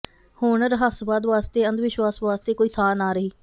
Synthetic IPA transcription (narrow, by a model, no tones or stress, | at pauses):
hoːɳəɾɦəsʋaːd̪ʋaːst̪eːənd̪ʋɪʃʋaːsʋaːst̪eːkoːiːt̪ʰaːnaːɾəɦiː